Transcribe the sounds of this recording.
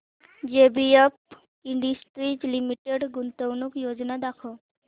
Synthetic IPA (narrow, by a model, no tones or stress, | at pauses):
d͡ʒebiep̚ | iɳɖisʈɾid͡ʒlimiʈeɖɡunt̪əwnukjod͡ʒnad̪akʰɔ